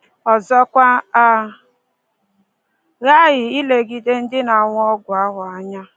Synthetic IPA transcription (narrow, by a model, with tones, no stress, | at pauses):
ɔ˨zɔ˦kʷa˦a˦ | ɣa˦ɣɪ˨i˦le˨ɡi˨de˦n̩˦dɪ˦na˨ŋʷ˦ɔ˦ɡʷʊ˨a˦ɦʊ˨a˦ɲa˦